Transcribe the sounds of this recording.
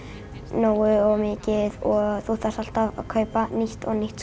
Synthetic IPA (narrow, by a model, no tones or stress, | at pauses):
noːwʏɔɣmɪːcɪðɔθut̪asal̥t̪avkʰœːɥpaniht̪ɔ̰ɣniht̪s